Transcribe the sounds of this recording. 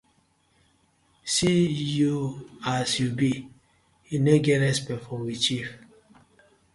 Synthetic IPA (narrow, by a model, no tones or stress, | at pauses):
sijuasjubi | ineɡɛɾɛspɛfɔmwit͡ʃif